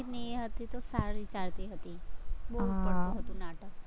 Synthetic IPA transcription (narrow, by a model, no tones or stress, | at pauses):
it̪nieɦət̪it̪osaɾit͡ʃaɾt̪iɦət̪ibəɦut̪pəɽɽt̪ũɦət̪ũnaʈə